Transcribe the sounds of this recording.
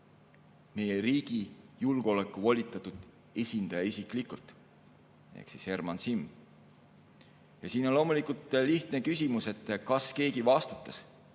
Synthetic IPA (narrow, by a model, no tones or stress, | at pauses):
me̞jeriːɡ̥ijulɡ̥o̞le̞kːˑuvolʲit̪ːˑɑt̪ut̪ˑ | esʲind̪̥ɑjɑisʲikˑlikult̪ˑ | ḛhksishe̞rmɑnsim | jɑsiːnonlo̞ːmulikult̪ˑliht̪ne̞kysʲimuse̞t̪ːˑkɑske̞ːɡivɑst̪ɑ̥t̪ˑːɑs